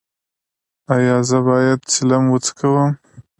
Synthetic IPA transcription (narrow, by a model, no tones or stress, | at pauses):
ajɑzəbɑjad̪̚t͡sɪlamwət͡skawəm